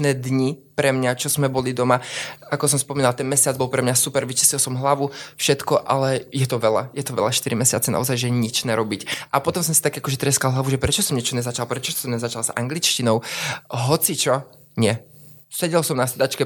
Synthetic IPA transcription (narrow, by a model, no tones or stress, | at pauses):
nɛːd̪ɲipɾɛmɲat͡ʃɔz̥mɛbɔlid̪ɔmaakɔsɔmspɔmiːnalt̪ɛnmɛsɪad͡zbɔlpɾɛmɲasupɛɾʋit͡ʃi̥slilˠsɔmɦlaʋufʃɛt̪kɔʔa̰lɛjɛt̪ɔʋɛla̰jɛt̪ɔʋɛ̰ʎaʃt̪iɾimɛsɪat͡sɛna̰ɔzajʒɛjɛɲit͡ʃnɛɾɔbicʔapɔt̪ɔmsɔmsit̪akːakɔʒɛt̪ɾɛskalˠɦlaʋuʒɛpɾɛt͡ʃɔsɔmɲɛt͡ʃɔɲɛzat͡ʃalˠpɾɛt͡ʃɔsɔmɲɛzat͡ʃalza̰ŋɡlit͡ʃcinɔʊɦɔt͡sit͡ʃɔ | ɲɪɛ | sɛɟɛlsɔmnasɛd̪at͡ʃkɛ